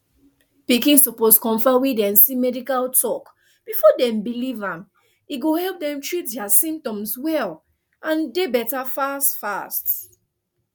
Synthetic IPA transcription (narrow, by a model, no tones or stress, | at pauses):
pikĩnsɔposkɔ̃ɱfawedɛ̃msimɛdikaltʰɔk | b̥ifɔdɛ̃mbilivãm | iɡohɛlp̚dɛ̃mtɹit̚dɛasĩmp̚tɔ̃mswɛl | ãndebɛtafastfast